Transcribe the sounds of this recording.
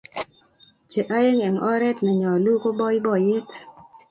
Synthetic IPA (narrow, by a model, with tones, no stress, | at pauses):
t͡ʃe˨ʔa˦je˦ŋɛ˨ŋɔ˦ɾɛ˦tnɛ˨ɲɔ˨lu˦ko˦bɔ˦ɪ˦bɔ˨jɪ˦t